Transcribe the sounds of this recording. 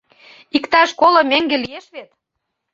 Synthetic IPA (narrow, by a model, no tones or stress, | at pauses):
ikt̪ɑʃkolɤ̆meŋɡelijeʃβet̪